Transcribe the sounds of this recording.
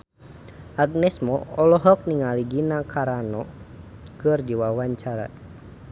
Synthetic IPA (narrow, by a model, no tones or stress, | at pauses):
aɡ̚nɛsmɔɔlɔɦɔk̚niŋaliɡinakʰaɾanɔ | kɨrdiwawaɲt͡ʃaɾa̰